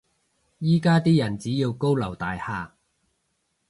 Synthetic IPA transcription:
jiː˥kaː˥t̪iː˥jɐ˨˩nt͡siː˨˥jiː˧wko˥wlɐ˨˩wt̪aː˨jhaː˨˧

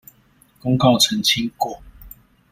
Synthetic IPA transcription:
ko˥˦ŋkɑ˥˨ʊt͡sʰə˨˦nt͡ɕʰi˦ŋkwɔ˨˦

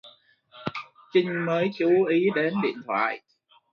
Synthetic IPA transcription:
t͡ɕï˧˦ŋ̟məː˨˦jt͡ɕu˨˦ʔi˨˦ɗe˨˦nɗḭ˧˨ənt̪ʰwa̰ː˧˨j

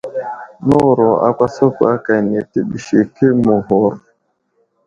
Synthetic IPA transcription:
no˦˨ɾɔ˨a̰˦kʷa˦so˦ko˨a˦ka˨ne˨te˦bi˨ʃi˨ke˦mu˨ɦo˨ɾ

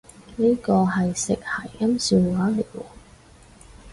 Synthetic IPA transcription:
niː˥kɔː˧ɦɐ˨jsɪ˨k̚hɐ˨˩jkɐ˥msiː˨˧˩waː˨˥le˨˩wɔː˧˩

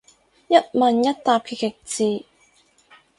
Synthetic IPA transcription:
jɐ˥t̚mɐ˨˧njɐ˥t̚t̪aː˧p̚kʰi˧˩kɪ˨k̚t͡siː˨˧

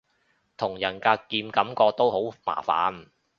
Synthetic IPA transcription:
t̪ʰʊ˨˩ŋjɐ˨˩nkaː˧kiː˧mkɐ˨˥mkɔː˧t̪o˥who˨˥wma̰ː˨˩fa̰ː˨˥n˨

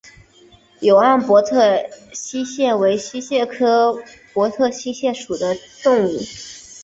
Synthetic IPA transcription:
jo˨˩ʊa˥˩npwɔ˧˥t̪ʰɤ˥˩ɕi˥ɕjɛ˥˩we˧˥ɪɕi˥ɕjɛ˥˩kʰɤ˥pwɔ˧˥t̪ʰɤ˥˩ɕi˥ɕjɛ˥˩ʂu˨˩d̪ə˦t̪ʊ˥˧ŋu˥˩

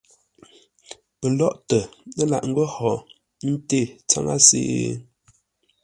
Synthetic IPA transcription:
pə˨lɔ˦ʔtə˨nə˦la̰˨ʔŋ̩˦ɡə˦hɔ˨ | n̩˦te˦˨t͡sa˦˨ŋa̰˦sḛː˦˨˦

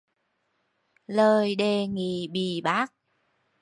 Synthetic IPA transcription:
ləː˨˩jɗe˧˩ŋi˨˩ɓi˨˩ɓaː˦˥k̚

